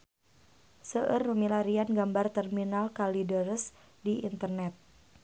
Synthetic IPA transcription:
səʔərːəmilaɾianɡambart̪ərminalkalidəɾəs | diʔint̪ərnɛt̪̚

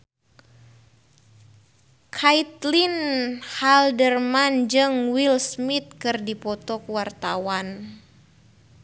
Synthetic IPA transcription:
kʰajt̪linhaldərmand͡ʒɨŋwilsmit̪̚kɨrdipɔt̪ɔkwart̪awan

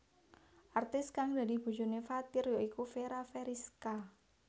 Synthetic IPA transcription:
ʔart̪ɪskaŋd̪a̤d̪i̤b̥ṳd͡ʒṳnefat̪ɪrjoʔikufeɾafeɾiska

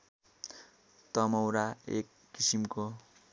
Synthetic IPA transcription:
t̪ʌmʌwɾaḛkːisimko

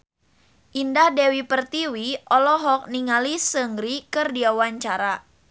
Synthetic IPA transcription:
ʔindahdɛwipərt̪iwiʔɔlɔɦɔk̚niŋalisəŋɡɾikərdiawaɲt͡ʃaɾa

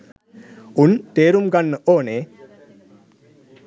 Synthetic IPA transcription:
unt̪eːɾumɡanːəʔoːneː

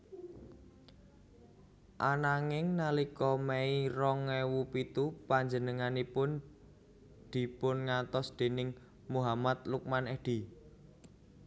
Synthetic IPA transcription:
ʔanaŋɪŋnalikɔmɛiɾɔŋɛwupit̪upaɲd͡ʒənəŋanipʊn | d̪̥i̤pʊnŋat̪ɔsd̪̥e̤nɪŋ | muɦamat̪̚luk̚manɛd̪̥i

